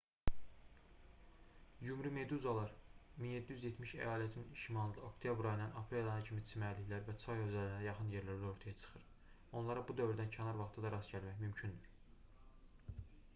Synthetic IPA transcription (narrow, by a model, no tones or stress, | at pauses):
jumɾyme̞d̪uzɑlˠɑɾminje̞d̪ːijyzjet̪ʰmiʃæ̰jɑːlæt̪ʰinʃimɑlˠɯnd̪ɑo̞kt̪ʰijɑbɾɑjɯnɑnɑpʰɾelˠɑnɑcʰimit͡sʰimæliçʲlæɾvæt͡ʃʰɑjø̞zælinæjɑχɯnjeɾlæɾlæo̞ɾt̪ʰɑjɑt͡ʃʰɯ̥χɯɾ | o̞nlˠɑɾɑbud̪ø̞vɾd̪æncʰænɑɾvɑχt̪ʰɑd̪ɑɾɑsɟælmæçmymcʰynd̪yɾ